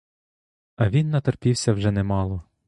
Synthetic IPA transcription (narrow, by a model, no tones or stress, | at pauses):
ɐʋʲinːɐt̪erpʲiwsʲɐwʒɛnɛmɑlˠɔ